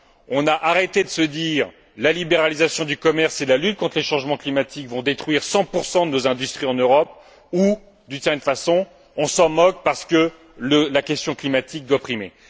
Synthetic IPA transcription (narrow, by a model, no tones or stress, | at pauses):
ɔ̃naʔaʁet̪ed̪əsəd̪iʁ | lalibeʁalizasjɔ̃d̪ykɔmɛʁselalyt̪̚kɔ̃t̪χleʃɑ̃ʒmɑ̃klimat̪ʰikvɔ̃d̪et̪χɥiʁsɑ̃puʁsɑ̃d̪ənozɛ̃d̪yst̪χiɑ̃nøʁɔp | u | d̪ynsɛʁj̪ɛnfasɔ̃ | ɔ̃sɑ̃mɔk̚paʁsə̥kə | ləlakʲɛst̪jɔ̃klimat̪ʰik̚d̪ɔpχimḛ